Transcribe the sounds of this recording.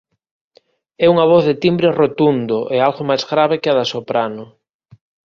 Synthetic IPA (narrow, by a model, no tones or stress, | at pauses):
ɛuŋaβ̞ɔθðet̪imbɾerot̪und̪oʔealɣomajzɣɾaβ̞ekɪaðasopɾanʊ